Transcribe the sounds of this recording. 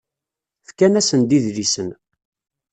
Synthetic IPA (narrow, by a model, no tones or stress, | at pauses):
fkænæsənd̪iðlisən